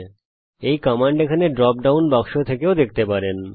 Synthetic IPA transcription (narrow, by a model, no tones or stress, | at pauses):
ejkɔmaɳɖekʰaneɖɾɔp̚ɖawnbɔkʃot̪ʰekeod̪ek̚ʰt̪epaɾen